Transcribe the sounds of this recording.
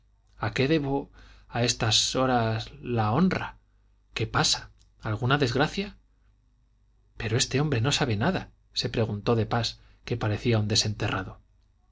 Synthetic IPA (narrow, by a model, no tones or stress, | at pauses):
ake̞ðe̞βo̞ae̞st̪aso̞ɾazlao̞nra | ke̞pasḁː | lɣ̞unaðe̞zɣɾaθja | pe̞ɾo̞e̞st̪e̞o̞mbɾe̞no̞saβe̞naða | se̞pɾe̞ɣ̞unt̪o̞ðe̞pas | ke̞paɾe̞θiaund̪e̞se̞nt̪eraðo̞